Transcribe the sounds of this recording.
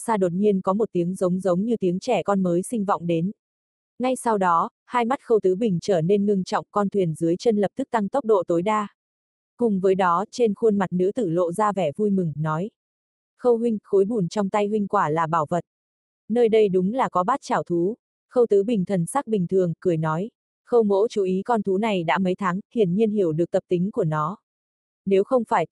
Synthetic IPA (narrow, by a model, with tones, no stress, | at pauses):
saː˧ɗo˨˩t̚ɲi˧ənkɔ˨˦mo˨˩t̚t̪i˨˦əŋzə˨˦wŋ͡mzə˨˦wŋ͡mɲɨ˧t̪i˨˦əŋt͡ɕɛ˧˩kɔ˧nməː˨˦jsï˧ŋ̟vɔ̰˧˨wŋ͡mɗe˨˦n | ŋa˧jsa˧wɗɔ˨˦ | haː˧jma˦˥t̚xə˧wt̪ɨ˨˦ɓï˨˩ŋ̟t͡ɕəː˧˩ne˧nŋɨ˧əŋt͡ɕɔ̰˧˨wŋ͡mkɔ˧nt̪ʰwi˨˩ənzɨ˨˦əjt͡ɕə˧nlə˨˩p̚t̪ʰɨ˦˥k̚t̪a˧ŋt̪ə˦˥k͡p̚ɗo̰˧˨t̪o˨˦jɗaː˧ | kʊ˨˩ŋ͡mvəː˨˦jɗɔ˨˦t͡ɕe˧nxu˧ənma˨˩t̚nɨ̰˧˥t̪ɨ̰˧˩lo̰˧˨zaː˧vɛ˧˩vu˧jmɨ˨˩ŋnɔ˨˦j | xə˧wɦwï˧ŋ̟xo˨˦jɓu˧˩nt͡ɕɔ˧wŋ͡mt̪a˧jɦwï˧ŋ̟kwaː˧˩laː˨˩ɓaː˧˩wvə˨˩t̚ | nəː˧jɗə˧jɗʊ˨˦ŋ͡mlaː˨˩kɔ˨˦ɓaː˦˥t̚t͡ɕaː˧˩wt̪ʰu˨˦ | xə˧wt̪ɨ˨˦ɓï˨˩ŋ̟t̪ʰə˨˩nsaː˦˥k̚ɓï˨˩ŋ̟t̪ʰɨ˨˩əŋkɨ˧˩əjnɔ˨˦j | xə˧wmo̰˧˥t͡ɕu˨˦ʔi˨˦kɔ˧nt̪ʰu˨˦na˨˩jɗa̰ː˧˥mə˨˦jt̪ʰaː˨˦ŋh̪i˧˩ənɲi˧ənhi˧˩əwɗɨ˨˩ək̚t̪ə˨˩p̚t̪ï˨˦ŋ̟ku˧˩ənɔ˨˦ | ne˨˦wxə˧wŋ͡mfaː˧˩j